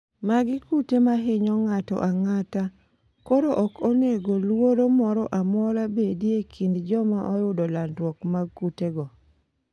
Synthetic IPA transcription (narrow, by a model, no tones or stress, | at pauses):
maɡɪkutemaɦɪɲɔŋatɔ̰ʔaŋata | kɔɾoʔɔkoneɡolwoɾomɔɾɔʔamɔɾabediekʰindd͡ʒɔmaʔɔjʊdɔlandwɔkmaɡkuteɡɔ